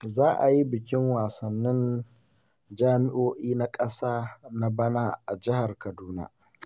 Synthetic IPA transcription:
zaː˦ʔa˨ji˦bɪ˨kʲɪ˦ŋwaː˨sɐ˨nːɪ˦n | d͡ʒaː˦mɪ˦ʔoː˦ʔiː˦na˦kʼɐ˦saː˦na˦bɐ˦naː˦ʔa˨d͡ʒɪ˦ha˨rkɐ˨duː˦na̰ː˦

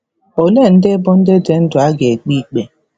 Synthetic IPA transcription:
o˨le˦˨n̩˦dɪ˦bʊ˦n̩˦dɪ˦dɪ˦n̩˦dʊ˨a˦ɡe˨k͡pi˦k͡pe˨

